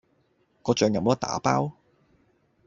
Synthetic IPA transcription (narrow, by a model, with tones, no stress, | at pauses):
kɔː˧t͡ʃœː˨˧ŋjɐ˨mo˨˥˧t̪a̰ː˨˥pa̰ː˥w